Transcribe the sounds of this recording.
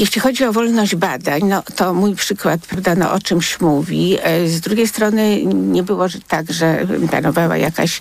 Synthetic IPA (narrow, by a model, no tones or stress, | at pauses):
jɛɕʲlʲixɔd͡ʑiɔvɔlnɔʑd͡ʑbad̪aɲnɔt̪ɔmujpʂɘkwat̪̚pɾavd̪anɔ̰ʔɔt͡ʂɘmɕmuvʲizd̪ɾuɡʲejst̪ɾɔnɘɲɛbɘwɔʐt̪aɡʐɛpla̰nɔvawa̰jaka̰ɕ